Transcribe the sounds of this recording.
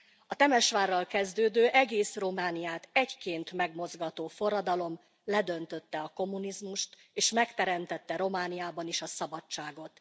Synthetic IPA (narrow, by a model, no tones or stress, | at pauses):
ɒt̪ɛmɛʃʋaːrːɒlkɛzd̪øːd̪øːʔɛɡeːsro̞maːnijaːt̪ɛckeːnt̪mɛɡmo̞zɡɒt̪oːfo̞ɾɒd̪ɒlo̞m | lɛd̪ø̞nt̪ø̞t̪ːɛɒko̞mːunizmuʃt̪eːʃmɛkt̪ɛɾɛmt̪ɛt̪ːɛɾo̞maːnijaːbɒniʃɒsɒbɒt͡ʃt͡ʃːaːɡo̞t̪